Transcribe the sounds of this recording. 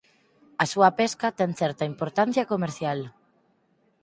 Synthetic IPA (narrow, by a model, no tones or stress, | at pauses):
asuapeskat̪ɛŋθɛɾt̪aimpoɾt̪an̟θjakomeɾθjal